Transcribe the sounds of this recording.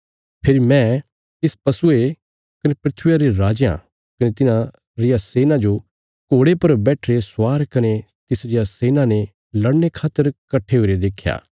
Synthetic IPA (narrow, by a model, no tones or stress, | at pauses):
pʰɪɾimɛ̃ | t̪ɪspɐsʊe | kɐnepɾɪt̪ʰʊjaɾeɾaːd͡ʒjã̰ | kɐnet̪ɪnã | ɾɪjaseːnãd͡ʒo | koːɽepɐɾbɛːʈʰɾeswaːɾkɐne | t̪ɪsɾɪjaseːnãne | lɐɽnekʰaːt̪ːəɾkɐʈʰeɦoʊɾed̪eːkʰːja̰ː